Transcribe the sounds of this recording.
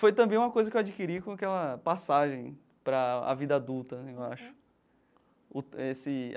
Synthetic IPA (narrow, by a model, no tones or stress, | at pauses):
fojt̪ɐ̃mbẽj̃ũmɐkojzɐkewad͡ʒikiɾikõakɛlɐpasaʒẽj̃ | pɾɐa̰vid̪ɐad̪uwt̪ɐnɛewa̰ʃʊ̥ | ʊesɪ